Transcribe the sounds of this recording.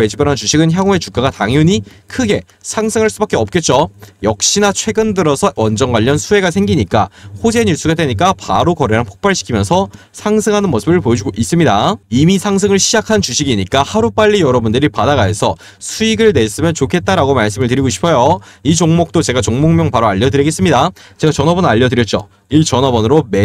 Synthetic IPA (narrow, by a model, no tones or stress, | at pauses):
ed͡ʑʰibʌɾant͡ɕuɕʰiɡɯnçjaŋue̞t͡ɕuk͈aɡataŋjuɲi | kʰɯɡe̞ | sʰaŋsʰɯŋɯɭs͈ubak͈eʌp̚k͈e̞t̚t͡ɕ͈ojʌk̚ɕ͈inat͡ɕʰwe̞ɡɯndɯɾʌsʰʌwʌnd͡ʑʌŋɡwaʎːʌnsʰue̞ɡasʰe̞ŋɡiɲik͈ahod͡ʑe̞ɲiɭs͈uɡadweɲik͈apa̰ɾokʌɾeɦanpʰo̥k̚p͈aɭɕʰi̥kʰimjʌnsʰʌ | sʰaŋsʰɯŋɦanɯnmos͈ʰɯbɯɭpojʌd͡ʑuɡoʔis͈ɯmɲidaimisʰaŋs̬ʰɯŋɯɭɕʰid͡ʑakʰant͡ɕuɕʰiɡiɲik͈ahaɾup͈aʎːijʌɾʌbundɯɾipadaɡaɦe̞sʰʌ | sʰuiɡɯɭnes͈ɯmjʌnt͡ɕokʰe̞t̚t͈aɾaɡomaɭs̬͈ɯmɯɭtɯɾiɡoɕʰi̥pʰʌjo | it͡ɕoŋmok̚t͈ot͡ɕe̞ɡat͡ɕoŋmoŋmjʌŋpaɾoaʎːʌdɯɾiɡe̞s͈ɯmɲidat͡ɕe̞ɡat͡ɕʌnʌbʌnaʎːʌdɯɾjʌt̚t͡ɕ͈o̰ | iɭt͡ɕʌnʌbʌnɯɾome